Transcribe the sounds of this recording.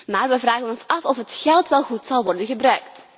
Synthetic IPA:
maːrʋɛvraːɣənɔnsɑfɔfətxɛlˠtʋɛlˠɣutsɑlˠʋɔrdənɣəbrœɥkt

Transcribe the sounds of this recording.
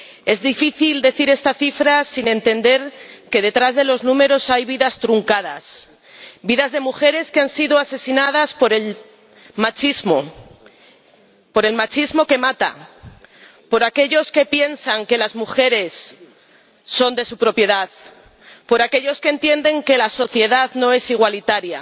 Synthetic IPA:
e̞zðifiθild̪e̞θiɾe̞st̪aθifɾasinẽ̞nt̪e̞nd̪e̞ɾke̞ð̞e̞t̪ɾazðe̞lo̞znũme̞ɾo̞sajβiðast̪ɾuŋkað̞a̰s | biðazðe̞muxe̞ɾe̞skeansiðo̞ase̞sinað̞aspo̞ɾel | mat͡ʃizmo̞ | po̞ɾe̞lmat͡ʃizmo̞ke̞mat̪a̰ | po̞ɾakeʎo̞ske̞pje̞nsaŋke̞lazmuxe̞ɾe̞s | o̞nd̪e̞supɾo̞pje̞ðað | po̞ɾake̞ʎo̞skent̪je̞nd̪e̞ŋke̞laso̞θje̞ðaðno̞e̞siɣ̞walit̪aɾja

